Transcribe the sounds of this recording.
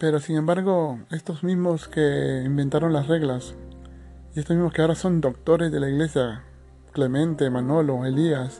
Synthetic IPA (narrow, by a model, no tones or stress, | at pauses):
pe̞ɾosiŋẽmbaɾɣo̞e̞st̪o̞zmizmo̞skeimbe̞nt̪aɾo̞nlasre̞ɣlas | iest̪omizmoskeaoɾaso̞nd̪o̞k̚t̪o̞ɾe̞zðe̞laiɣle̞sja | klemẽ̞nt̪emanoloelias